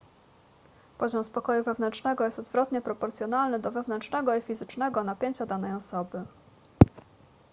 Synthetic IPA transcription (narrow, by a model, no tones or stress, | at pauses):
pɔʑɔmspɔkɔjuvɛvn̪ɛnt͡ʂʂnɛɡɔjɛst̪ɔd̪vɾɔt̪ɲɛpɾɔpɔɾt̪sʲjɔn̪alnɘd̪ɔvɛvnɛntʂnɛɡɔifʲizɘt͡ʂnɛɡɔnapʲjeɲt͡ɕad̪anɛjɔsɔbɘ